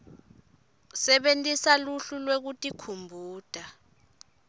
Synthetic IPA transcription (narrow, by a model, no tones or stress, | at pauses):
sɛɓentʼisaluɬulwek̬utʼikʰumbʱuːd̥ʱa